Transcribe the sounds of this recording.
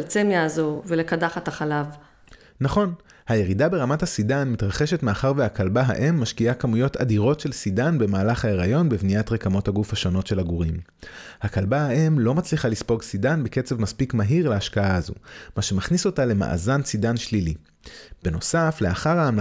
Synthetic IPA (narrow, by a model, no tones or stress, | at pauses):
lt͡semjaːzovelekadaχat̪aχalav | naχo̞n | haje̞ʁidabe̞ʁamathasidanmitʁaχe̞ʃe̞tmeaχaʁveakalbaɦa̰ʔemːaʃkiakamujo̞ta̰diʁo̞tʃe̞lsidanbe̞maːlaχhae̞ʁajo̞nbevniatʁekamo̞thaɡufhaʃo̞no̞tʃe̞laɡuʁimhakalbaaʔe̞mlo̞mat͡sliχalispo̞ɡsidanbeke̞t͡sevmaspikmaɦiʁleaʃkaaːzṵmaʃe̞maχniso̞tale̞ma̰ʔa̰zant͡sidanʃlili | b̥eno̞safle̞aχaʁaːm